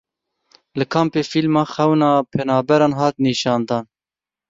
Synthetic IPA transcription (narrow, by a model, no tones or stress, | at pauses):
lɨkʰɑːmpeːfilmɑːxɛwnɑːpʰɛnɑːbɛɾɑːnɦɑːt̪niːʃɑːnd̪ɑːn